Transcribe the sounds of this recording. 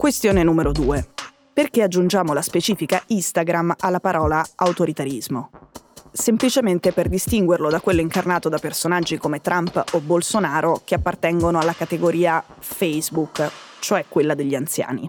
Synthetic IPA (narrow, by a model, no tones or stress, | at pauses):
kwest̪joːnenuːmeɾod̪uːe | perkead͡ʒːund͡ʒaːmolaspet͡ʃiːfikaist̪aɡɾamalːapaɾɔːlaawt̪oɾit̪aɾizmo | semplit͡ʃement̪eperd̪ist̪iŋɡwerlod̪akːwelːoiŋkarnaːt̪od̪apersonad͡ʒːikomet̪ɾampobːolsonaːɾokeapːart̪ɛŋɡonoalːakat̪eɡoɾiːa | fɛjzbuk | t͡ʃoɛkːwelːad̪eʎːiant̪sja̰ːnḭ